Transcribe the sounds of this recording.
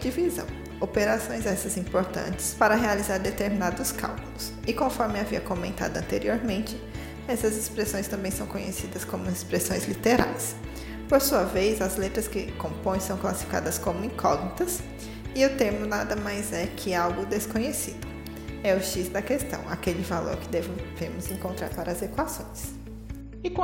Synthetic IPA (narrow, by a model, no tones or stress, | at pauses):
d͡ʒivizɐ̰̃w̃ | opeɾasõj̃zɛsɐzĩpoɾt̪ɐ̰̃nt͡ʃɪ̥spaɾɐɦealizaɾd̪et̪eɾminad̪ʊska̰wkʊlʊs | ɪkõfɔɾmɪaviɐkomẽnt̪a̰d̪ʊɐ̃nt̪eɾioɾmẽnt͡ʃɪ | ɛsɐzɪspɾesõj̃st̪ɐ̃mbẽj̃sɐ̃w̃kõɲesid̪ɐskõmʊɪspɾesõj̃zlit̪eɾa̰js | poɾsuɐvejzɐzlet̪ɾɐskɪkõpõj̃sɐ̃w̃klasi̥fika̰d̪ɐskõmʊĩkʰɔɡnit̪ɐs | ɪʊt̪eɾmʊnad̪ɐmajzɛkʰɪawɡʊd̪eskõɲesid̪ʊ | ɛʊʃisd̪ɐkest̪ɐ̰̃w̃a̰kelɪvalo̰ɾkɪd̪ɛvvemʊzẽŋkõnt̪ɾa̰ɾpaɾɐːzekwasõ̰j̃s | ɪk